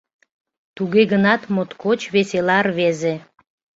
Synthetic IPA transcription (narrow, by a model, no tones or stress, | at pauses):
t̪uɣeɣənɑt̪mot̪kot͡ɕβeselɑrβeze